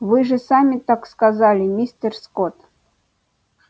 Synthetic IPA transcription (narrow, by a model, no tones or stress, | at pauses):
vɨʐɨsamʲɪt̪akskazalʲɪmʲisʲt̪ʲərskot̪